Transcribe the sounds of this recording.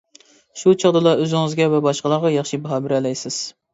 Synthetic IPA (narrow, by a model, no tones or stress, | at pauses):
ʃut͡ʃʰɑʁd̪ɨlˠɑʔøzɪŋɨzɡʲɛvɛbɑʃqəlˠɑʁɑjɑχʃibɑɦɑːbɪɾɛlɛjsɪz̥